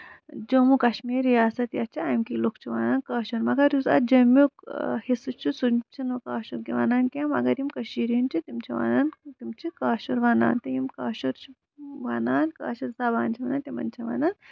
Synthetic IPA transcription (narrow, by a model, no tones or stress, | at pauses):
d͡ʒoːmukɐʃmiːɾjaːsɐt̪jɐt͡ʃʰiamkilokt͡ʃʰuʋaːnaːnkɐːʃuɾmɐɡɐɾjusɐ̰d͡ʒɐmukhisut͡ʃʰusut͡ʃʰinukaːʃuɾkiʋa̰ːnaːnkʲamɐ̰ɡɐɾjimkɐʃiːɾint͡ʃʰit̪imt͡ʃʰiʋa̰ːnaːnt̪imt͡ʃʰikaːʃuɾʋaːna̰ːnt̪ɐjimkaːʃuɾt͡ʃʰu | ʋaːnaːnka̰ːʃɐɾsaːbaːnt͡ʃʰiʋɐnant̪imɐ̰nt͡ʃʰɐʋa̰ːnaːn